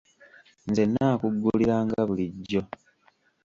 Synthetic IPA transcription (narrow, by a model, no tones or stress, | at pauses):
nzenːaːkuɡːuliɾaːŋɡaβuliɟːo̞